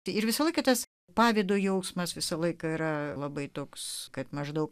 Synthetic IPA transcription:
ɪɾʋʲɪsɐlˠɐɪkɐt̪ɐs | pɑːʋʲeːd̪oːjɛʊsmɐsʋʲɪsɐlˠɐɪkɐiɾɐlˠɐbɐɪt̪oːkskɐt̪mɐʒd̪ɐʊk

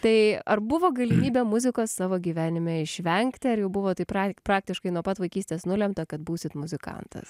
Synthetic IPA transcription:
t̪ɐɪɐɾbʊʋoːɡɐlʲɪmʲiːbʲeːmʊzʲɪkoːsːɑːʋoːɡʲiːʋʲæːnʲɪmʲɛɪʃʲʋʲɛŋʲkt̪ʲɪɐɾjɛʊbʊʋoːt̪ɐɪpɾɑːpɾɑːk̚t̪ʲɪʃkɐɪnuɔpɐt̪ʋɐɪkʲiːsʲt̪ʲeːsnʊlʲɛmt̪ɐkɐt̪buːsʲɪt̪mʊzʲɪkɐ̰nt̪ʰɐ̰s

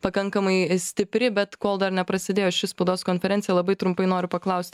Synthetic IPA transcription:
pɐkɐŋkɐmɐɪsʲt̪ʲɪpʲɾʲɪbʲɛt̪koːlˠd̪ɐrnʲɛpɾɐsʲɪd̪ʲeːjoːɪʃʲɪspɐʊd̪oːskoːnʲfʲɛɾʲɛnʲtsʲjɛlˠɐbɐɪt̪ɾʊmpɐɪnoːɾʲʊpɐklˠɐʊsʲt̪ʲ

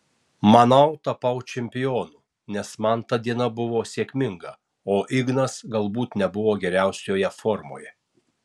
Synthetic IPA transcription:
mɐnɐʊt̪ɐpɐʊt͡ʃʲɛmʲpʲɪjoːnuː | nʲɛsmɐnt̪ɐd̪ʲiɛnɐbʊʋoːsʲeːkʲmʲɪŋɡɐ | oːʔɪɡnɐsɡɐlˠbuːt̪nʲɛbʊʋoːɡʲɛɾʲæˑʊsʲoːjɛfoːɾmo̰ːjɛ

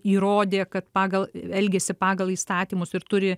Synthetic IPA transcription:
iːɾoːd̪ʲeːkɐt̪pɑːɡɐlˠɛlʲɡʲeːsʲɪpɑːɡɐlˠiːst̪ɑːt̪ʲiːmʊsɪɾt̪ʊɾʲɪ

